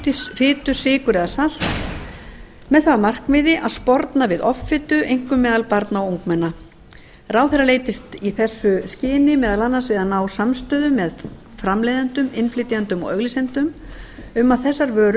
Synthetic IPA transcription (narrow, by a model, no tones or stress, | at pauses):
fɪːt̪ʏsɪːkʏɾɛðasal̥t̪ | mɛðθamar̥kvɪðɪʔaðspɔɾt̪navɪðɔfːɪːt̪ʏʔejŋ̥kʏmːɛːðalpaɾt̪naawuwŋkmɛnːa | raːwθɛrːaleːjt̪ɪst̪iθɛsːʏscɪːnɪmɛːðalanːansvɪðanaːwsamst̪œːðʏmːɛð | fɾamlejðant̪ʏmɪnflɪːt̪jant̪ʏmɔ̰ɣœɣlɪsɛnt̪ʏm | ʏmːaðθɛsːaɾvœːɾ